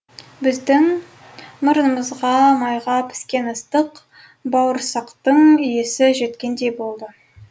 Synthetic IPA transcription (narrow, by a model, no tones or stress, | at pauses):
bɪzd̪ɪŋ | məɾənəməzʁɑmɑjʁɑpʰɪ̥skʲe̞nəst̪əq | bɑwəɾsɑqt̪əɴʏje̞sɪʒe̞t̪kʲe̞nd̪e̞jbo̞lˠd̪ə